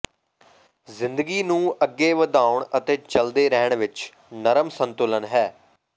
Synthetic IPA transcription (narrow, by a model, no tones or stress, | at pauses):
zɪ̃nd̪əɡiːnũːʔəɡːeːʋəd̪aːʊɳət̪eːt͡ʃəld̪eːɾɛːɳʋɪt͡ʃ | nəɾəmsənt̪ʊlənɦɛː